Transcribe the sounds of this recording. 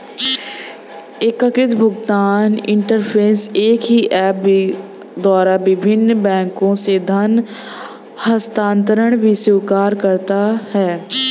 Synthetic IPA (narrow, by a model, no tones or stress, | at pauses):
eːkəkɾɪt̪bʱʊɡt̪aːnɪ̃ɳʈəɾpʰeːseːkɦiʔɛːp̚bi | d̪waːɾabɪbʱɪnːbɛ̃ːŋkõsed̪ʱɐn | həst̪ãːnt̪əɾəɽ̃bʱisɪʊkaːɾkɐɾt̪ahɛː